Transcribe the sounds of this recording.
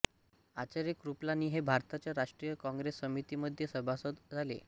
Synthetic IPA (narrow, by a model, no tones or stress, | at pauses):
at͡ɕaɾjekɾuplaniːɦebʱaɾt̪at͡ɕjaɾaʂʈɾijəkɔ̃ŋɡɾesːəmit̪iməd̪ʱjesəbʱasət̪d͡zʱalḛ